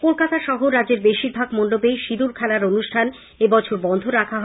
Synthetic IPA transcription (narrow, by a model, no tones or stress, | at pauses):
kolkat̪aʃɔɦoɾad͡ʑeɾbeʃiɾbʱaɡmonɖobeʃid̪uɾkʰɛlaɾonuʃʈʰan | ebɔt͡ɕʰoɾbɔnd̪ʱoɾakʰaɦɔ